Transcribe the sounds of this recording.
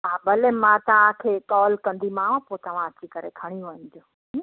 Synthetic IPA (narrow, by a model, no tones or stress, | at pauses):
aːbəlemãt̪ɐʋãkʰeːkɔːlkɐ̃nd̪imãːʋãpoːt̪ɐʋ̤ãɐt͡ɕikɐɾekʰɐɽ̃ijũʋənd͡ʑõː